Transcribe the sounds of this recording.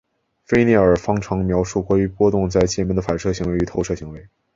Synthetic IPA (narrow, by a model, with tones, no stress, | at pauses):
fe˥ɪni˥˩ə˞˨˩fɑ˥ŋʈ͡ʂʰɑ˧˥ŋmjɑ˧˥ʊʂu˥˩kwɔ˥˩y˧˥pwɔ˥t̪ʊ˥˧ŋt͡sa˥˧ɪt͡ɕjɛ˥˩mɛ˥nd̪ə˩fa˨˩nʂɤ˥˩ɕi˧˥ŋwe˧˥ɪy˧˥t̪ʰo˧˥ʊʂɤ˥˩ɕi˧˥ŋwe˧˥ɪ